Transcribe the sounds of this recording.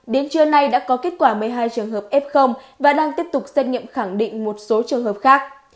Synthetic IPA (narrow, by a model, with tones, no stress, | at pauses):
ɗe˨˦nt͡ɕɨ˧əna˧jɗa̰ː˧˥kɔ˨˦ke˦˥t̚kwaː˧˩mɨ˨˩əjɦaː˧jt͡ɕɨ˨˩əŋɦəː˨˩p̚ʔɛ˦˥p̚xə˧wŋ͡m | vaː˨˩ɗaː˧ŋt̪i˦˥əp̚t̪ʊ˨˩k͡p̚sə˧j̚ŋḭ˧˨əmxa˧˩ŋɗḭ̈˧˨ŋ̟mo˨˩t̚so˨˦t͡ɕɨ˨˩əŋɦəː˨˩p̚xaː˦˥k̚